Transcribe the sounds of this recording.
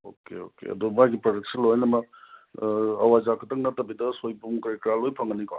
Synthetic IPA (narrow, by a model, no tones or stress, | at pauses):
okḛo̰kḛɐ̰dumajɡipɾodek̚silojnɐmɐ | ɐwazakʰɐtʰɐŋnɐtɐbidɐsojbumkɐɾikɾalojpʰɐŋɡənika